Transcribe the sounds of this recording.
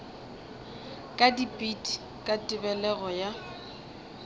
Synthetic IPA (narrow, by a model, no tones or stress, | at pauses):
kʼadipʼitʼi | kʼatʼɪbɛlɛɣɔja